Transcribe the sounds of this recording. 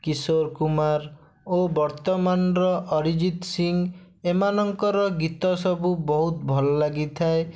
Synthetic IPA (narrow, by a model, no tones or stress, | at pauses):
kisoɾkumaɾ | obɔɾt̪ɔmanɾɔʔɔɾid͡ʒit̪siŋ | emanɔŋkɔɾɔɡit̪ɔsɔbubɔɦut̪bʱɔlɔlaɡit̪ʰae